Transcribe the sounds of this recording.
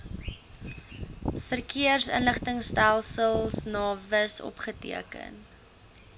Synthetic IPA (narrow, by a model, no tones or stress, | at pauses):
fərkiərsə̰nləχtəŋstælˠsəlˠsnɑːvəsɔ̰pχətḭəkə̰n